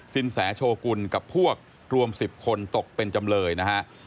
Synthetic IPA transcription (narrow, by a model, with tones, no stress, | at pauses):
si˨˦nsɛː˩˦t͡ɕʰoː˧ku˧nka˨˩pʰːu˥˩ək̚ | ɾu˧əmsi˨˩p̚kʰo˧nt̪o˨˩k̚pe˧nt͡ɕa˧mlɤː˧jna˦˥kʰa˦˥ʔ